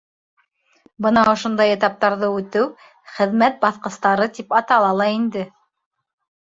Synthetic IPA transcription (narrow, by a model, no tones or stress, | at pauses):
bɤnɑŏʃŏnd̪ɑjĕt̪ɑp̚t̪ɑɾðɤʉt̪ɘw | χɘ̆ðmæt̪̚bɑθqɤ̆st̪ɑɾɤt̪ipɑt̪ɑlˠɑlˠɑind̪ɘ